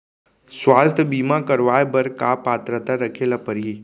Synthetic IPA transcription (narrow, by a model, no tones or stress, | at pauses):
sʋaːst̪ʰəbiːmãkəɾʋajbəɾkapaːt̪ɾət̪aɾəkʰelapəɾɦi